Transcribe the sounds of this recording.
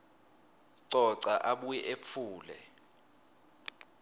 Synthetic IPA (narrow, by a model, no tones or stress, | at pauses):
ǀɔǀaʔaɓuɛʔep̪fʰuːlɛ̰